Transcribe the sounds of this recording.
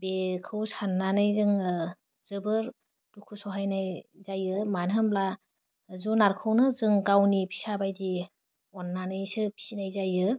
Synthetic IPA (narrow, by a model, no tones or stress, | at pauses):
bekʰɯwsanːanɯjzɯŋ | z̥ɯbɯɾ | dukʰusɔɦajnajzajɯmanɦɯmbla | zɔnaɾkʰɯwnɯzɯŋɡawnipʰi̥sabajdi | ɔnːanɯjsɯpʰi̥sinajzajɯ